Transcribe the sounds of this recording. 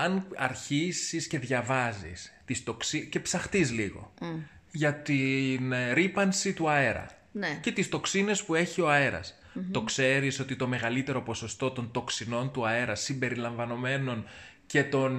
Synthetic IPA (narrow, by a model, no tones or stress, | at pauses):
ɐnɐ̰ɾçisisce̞ðʝɐvɐzḭst̪ist̪o̞ksice̞psɐxt̪izliɣo̞̰ | ʝɐt̪inɾipɐnsit̪uɐe̞ɾɐ̰ | nce̞t̪ist̪o̞ksine̞spue̞çio̞ɐe̞ɾɐ̰s | tt̪o̞kse̞ɾiso̞t̪it̪o̞me̞ɣɐlit̪e̞ɾo̞po̞so̞st̪o̞t̪o̞nt̪o̞ksino̞nt̪uɐe̞ɾɐsimbe̞ɾilɐɱvɐno̞me̞no̞n | ce̞t̪o̞n